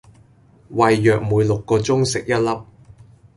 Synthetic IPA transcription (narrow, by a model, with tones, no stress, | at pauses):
wɐ˨jːœː˨k̚muː˨˧jlʊ˨kːɔː˧t͡sʊ˥ŋsɪ˨k̚jɐ˥t̚lɐ˥p̚